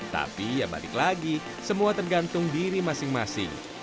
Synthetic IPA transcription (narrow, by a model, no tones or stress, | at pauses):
t̪a̰pijaba̰lɪ̰klaɡi | səmuat̪ərɡant̪ʊŋdiɾimasɪŋmasɪ̰ŋ